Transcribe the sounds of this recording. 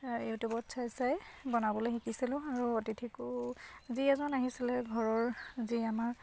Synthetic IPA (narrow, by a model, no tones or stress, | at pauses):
jutjubɔtsajsajbɔnabɔlojxikisilʊ̃aɹuotitʰikuziɛzɔnaɦisilɛɡʱɔɹɔɹziamaɹ